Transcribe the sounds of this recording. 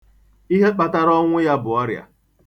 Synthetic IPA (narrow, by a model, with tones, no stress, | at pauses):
i˦ɦe˦k͡pa˨ta˦ɾɔ˦ŋʷʊ˦ja˦bʊ˨ɔ˦ɾja̰˨